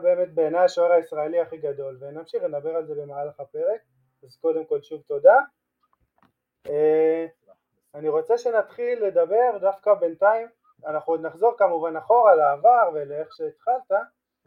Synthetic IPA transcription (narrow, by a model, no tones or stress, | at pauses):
be̞ːme̞t̪̚beːnajaʃoeʁaisʁaeliaχiɡad̪o̞lvenamʃiχled̪abe̞ʁalze̞lemaʕalaχape̞ʁe̞k̚ | azko̞d̪e̞mko̞lʃuvt̪o̞d̪a | e | aniʁo̞t͡se̞ʃe̞nat̪χilːe̞d̪abe̞ʁd̪afkabe̞nt̪aim | anaχnuod̪naχzo̞ʁkamuvanaχo̞ʁalaːvaʁveleeχʃeːt̪χalt̪a